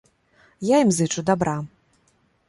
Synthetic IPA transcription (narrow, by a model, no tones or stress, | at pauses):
jaimzɨt͡ʂud̪abɾʔa